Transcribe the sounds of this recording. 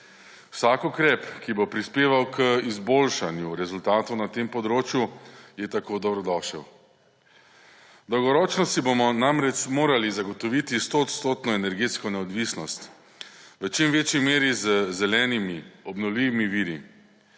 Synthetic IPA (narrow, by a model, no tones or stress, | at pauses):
wsaːkukɾɛːpkibopɾispeːʋawkʰəizboːlʃanjuɾɛzult̪aːt̪ɔwnat̪empɔd̪ɾoːt͡ʃjujɛt̪akoːd̪ɔbɾɔd̪ɔːʃəw | d̪ɔwɡɔɾɔːt͡ʃnɔsibomɔnamɾɛt͡ʃmoːɾalizaɡɔt̪ɔʋit̪ist̪ot̪st̪oːt̪nɔenɛɾɡeːt̪skɔnɛɔd̪ʋisnɔst̪ | ʋət͡ʃimʋeːt͡ʃjimeːɾizəzɛlɛːnimiɔbnɔwliʋimiʋiːɾi